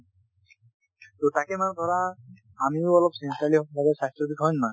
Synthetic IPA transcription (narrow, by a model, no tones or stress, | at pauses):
t̪otakemand̪ʱɔɹaː | mioɔlɔbsenʈaliɔbʱabesastɾɔbʱikɦɔjnːa